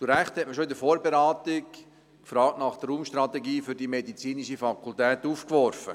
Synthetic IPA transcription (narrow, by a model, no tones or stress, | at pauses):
tuɾæχt̪hɛt̚məʃoɪdəfoːɾbeɾɑːt̪ɪk | kfɾɑːk̚tnɑχd̪əruːmʃtɾɑt̪ɛɡiːfʏɾdimɛdit͡siːniʃifɑkʰult̪ɛːt̪uːfkʋɔɾfə̰